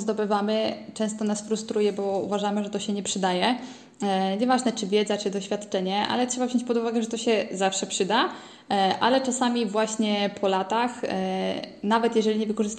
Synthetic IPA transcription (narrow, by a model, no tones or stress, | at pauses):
zd̪ɔbɘvamɘt͡ʂɛ̃st̪ɔnasfɾust̪ɾujɛbɔṵvaʐamɘʐɛt̪ɔɕɛɲɛpʂɘd̪ajɛ | ɲɛvaʐnɛt͡ʂɘvʲjɛd̪zat͡ʂɘd̪ɔɕfʲat̪t͡ʂɛɲɛʔa̰lɛtʂɛbavʑɔ̃ɲt͡ɕʲpɔd̪uvaɡɛʐɛt̪ɔɕɛzafʂɛpʂɘd̪a | ʔa̰lɛt͡ʂasamʲivwaɕɲɛpʰɔlat̪ax | navɛt̪jɛʐɛlʲiɲɛvɘkɔʐɘst̪